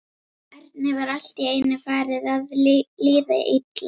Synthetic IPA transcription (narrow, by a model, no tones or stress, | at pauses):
ɛɾt̪̚nɪvaɾal̥t̪iejnɪfaːɾɪðaðliːðɪ̰ʔɪt̪la